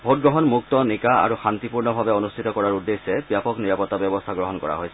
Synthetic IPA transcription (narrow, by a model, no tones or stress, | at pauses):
bʱot̚ɡɹɔɦɔnmuk̚tɔnikaa̰ɹuxant̪ipuɹnɔbʱabɛonustʰitɔkɔɹaɹudːesːɛbjapɔkniɹapɔtːabjɔbɔstʰaɡɹɔɦɔnkɔ̰ɹa̰ɦojsɛ̥